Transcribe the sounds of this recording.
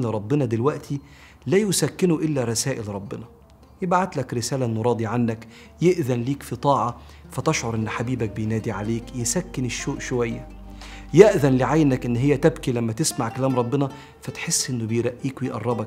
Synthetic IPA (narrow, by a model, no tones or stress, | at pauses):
leɾˤɑbːɪnɑd̪elwæʔt̪ʰi | læːjʊsækːɪnuʔɪlːæɾˤɑsæːʔɪlɾˤɑbːɪnɑ | jɪbaʕat̪lækɾɪsæːlæʔnːʊɾˤɑːd̪iʕanːæk | jeʔðænliːkfit̪ˤɑːʕɑ | fæt̪ɑʃʕoɾˤʔenːħabiːbæk̚bejnæːd̪iʕaleːkjesækːɪneʃːoːʔʃowæjːæ | jeʔðænlɪʕajnækʔɪnːɦejːæt̪æbkilæmːæt̪ɪsmaʕkælæːmɾˤɑbːɪnɑ | fæt̪ħesːʔɪnːʊbejɾˤæʔːiːkwejʔɑ̰rˤːɑbɑk̚